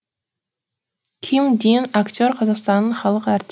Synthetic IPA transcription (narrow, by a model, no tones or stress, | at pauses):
kʲʰimd̪inakt̪ʰʲoɾqʰɑzɑqst̪ɑnːɨɴχɑlˠəqæɾt̪ʰ